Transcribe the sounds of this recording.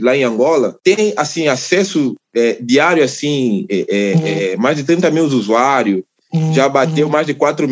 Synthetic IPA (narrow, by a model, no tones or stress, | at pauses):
laẽj̃ɐ̃ŋɡɔlɐt̪ẽj̃asĩasɛsʊɛd̪iaɾjʊasĩɛʔɛɛmajzd̪ɪt̪ɐ̃nt̪ɐmewzuzuaɾjʊ | ʒabat̪ewmazd̪ɪkwat̪ɾʊm